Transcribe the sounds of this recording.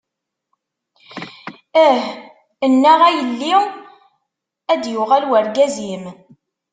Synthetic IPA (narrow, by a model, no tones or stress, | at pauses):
əh | ənːæʁæjəlːiw | æd̪jʊʁælwəɾɡæzim